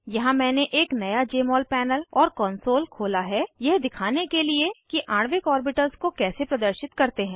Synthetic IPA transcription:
jɐɦãmɛ̃ːneʔeːknɐjad͡ʒeːmɔːlpɛːnəlɔːɾkɔ̃ːnsoːlkʰoːlaɦɛjɛɦd̪ɪkʰaːnekeliekiʔaːɽ̃ʋɪkɔːɾbɪʈəlskokɛːsepɾɐd̪əɾʃɪt̪kɐɾt̪eɦɛ̃ː

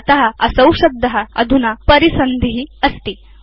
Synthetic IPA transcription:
t̪ɐɦaɐsɐwʂɐb̚d̪ʱːɐɦaɐ̰d̪ʱunapəɾisənd̪iɦiəst̪i

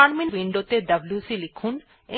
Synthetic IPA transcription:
aɾminwiɳɖot̪eɖɐbljusilikʰun | e

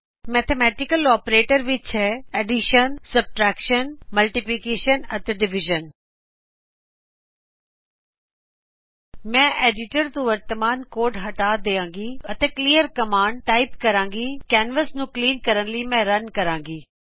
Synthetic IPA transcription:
mɛːt̪ʰemɛːʈɪkəlɔːpɾeːʈəɾʋɪt͡ʃɦɛɛɖiʃənsɐb̚ʈɾɛːkʃənmɐlʈɪpikeːʃənɐt̪eɖɪʋɪʒən | mɛ̃ːʔeːɖɪʈəɾt̪ũʋəɾt̪əmaːnkoːɾɖɦɐʈaːd̪eːãːŋɡiɐt̪eːkliːəɾkɐmaːɳɖ̚ʈaːɪpkɐɾãːŋɡiːkɛːnʋəsnũːkliːnkɐɾənlimɛ̃ɾɐnkɐɾãːŋɡiː

